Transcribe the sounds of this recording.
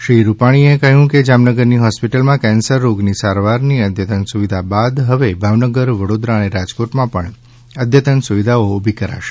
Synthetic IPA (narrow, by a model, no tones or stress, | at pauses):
ʃɾiɾupaɽ̃iekəɦjũked͡ʒamnəɡəɾniɦɔspiʈəlmãkɛ̃nsəɾːoɡnisaɾʋaɾniəd̪ʱjət̪ənsuʋid̪ʱabad̪ɦəʋebʱaʋnəɡəɾʋəɽod̪ɾaəneɾad͡ʒkoʈmãpə̰ɳ | əd̪ʱjət̪ənsuʋid̪ʱaoːbʱikəɾa̰ʃe̥